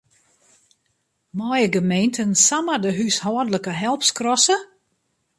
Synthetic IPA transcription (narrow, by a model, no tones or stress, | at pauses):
mɔjəɡəmejntʰənsamədəɦyshɔədələkəɦɛlˠpskrɔsə